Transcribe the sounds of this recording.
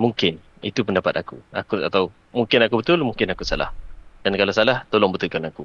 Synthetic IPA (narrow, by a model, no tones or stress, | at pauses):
muŋkɪn | ḭt̪upəndapat̪akuakuat̪aw | muŋkɪnakubət̪ʊlmũŋkɪnakusala̰hd̥ankalasalaht̪olɔŋbət̪ulkanaku